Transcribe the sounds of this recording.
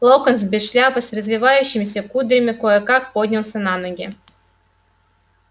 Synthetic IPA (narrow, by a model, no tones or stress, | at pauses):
lˠowkɐnzbʲɪʃlʲapɐsrɐzvʲiʋajuɕɪmisʲekud̪ɾʲimɪkojekakpod̪ʲnʲilˠsɐnanoɡʲɛ